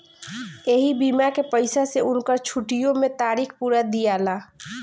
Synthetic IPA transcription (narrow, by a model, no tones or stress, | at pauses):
eɦibimakepəɪsaseʊnkəɾt͡ʃʰuʈijõmẽt̪aːɾikʰpuɾad̪ijalaː